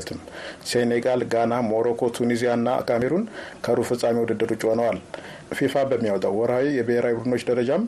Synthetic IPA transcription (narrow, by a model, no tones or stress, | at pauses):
t̪ʰɨmseneɡalɡanamo̞ɾokʰo̞t̪ʰunizijanːaa̰kameɾunkʰəɾufɨsʼːamiwud̪ɨd̪ːɨɾut͡ʃʼonəwal | fifabəmːiawɔt̪ʼawwːɔɾhawijɛbəheɾawibuɾd̪ɨno̞t͡ʃːd̪əɾəd͡ʒam